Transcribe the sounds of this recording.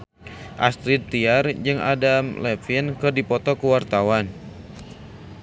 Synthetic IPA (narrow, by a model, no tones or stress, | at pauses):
ʔa̰st̪ɾid̪̚t̪iard͡ʒɨŋʔa̰damlɛfinkɨrdipɔt̪ɔkəwart̪awan